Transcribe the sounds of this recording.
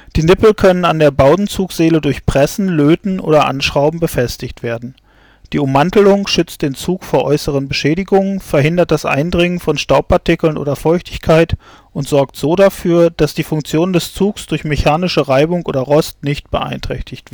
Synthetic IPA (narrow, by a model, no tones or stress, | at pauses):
d̥iːnɪpl̩kʰœnənandeːɐbaʊtn̩t͡suːkz̥eːlədʊɐçpʁ̥ɛsn̩løːtn̩ʔo̰ːdɐʔa̰nʃʁ̥aʊbm̩bəfɛstɪçtv̥eːɐdn̩ | d̥iːʊmːantl̩ʊŋʃʏt͡std̥eːnt͡suːkfoːɐʔɔ̰ʏsəʁ̞ənbəʃɛːɾɪɡʊŋənfɛɐɦɪndɐt̚d̥asʔa̰ɪndʁɪŋənfɔnʃtaʊpʰaɐtɪkl̩nʔo̰ːdɐfɔʏçtɪ̥çkʰaɪt | ʔʊntz̥ɔɐktz̥oːɾafyːɐd̥asd̥iːfʊŋk̚t͡sjoːnndɛst͡suːksd̥ʊɐçmeçaːnɪʃəʁaɪbʊŋʔo̰ːdɐʁɔstnɪçt̚b̥əʔa̰ɪntʁ̥ɛ̰çtʰɪçtv̥